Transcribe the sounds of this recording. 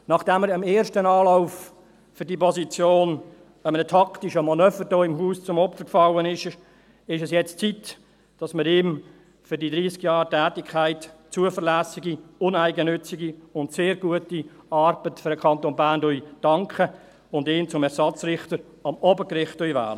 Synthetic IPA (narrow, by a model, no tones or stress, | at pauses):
nɑχd̥ɛmːəɾɪmeːrʃtənɑːlaʊf | fʏɾdipʰɔsit͡sjoːn | əmənətʰɑktiʃəmɑnœːfədoːɪmɦuːst͡sʊmɔpfəkfɑwənɪʃ | ɪʃɛsjɛt͡st͡sit | d̥ɑsməɾɪːm | fʏɾdidɾiːskjɑːɾtæːtɪkʰːæɪtt͡suəfəɾlæːsiɡiʊnæɪɡənʏt͡siɡiʊntseːɾɡuətiɑrb̥ətfʏɾdəkʰɑnt̪onbæːndœʏd̥ɑŋkʰχə | ʊndɪːmt͡sʊmɛɾsɑt͡srɪχtəɾ | ɑmɔbəkɾɪχtœjvæ̰ːlə